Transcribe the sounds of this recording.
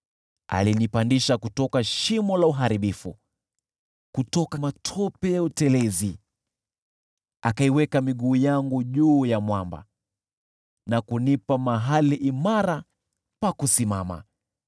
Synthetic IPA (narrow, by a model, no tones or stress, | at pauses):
a̰linipandiʃakutɔkaʃimɔlauɦaɾiɓifṵ | kutɔkamatʰɔpɛjautɛlɛzi | akaiwɛkamiɠuːjaŋɡuʄuːjamwamba̰ | nakunipamaɦaliʔimaɾa | pakusimama̰